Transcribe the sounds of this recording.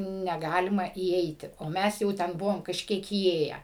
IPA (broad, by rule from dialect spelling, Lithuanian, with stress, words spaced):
nʲɛˈɡɑːlʲɪmɐ iːˈɛɪtʲɪ oː ˈmʲɛs jɛʊ ˈtʲɛn ˈbʊʋoːm kɐʃʲˈkʲiɛk iːˈeːjɛ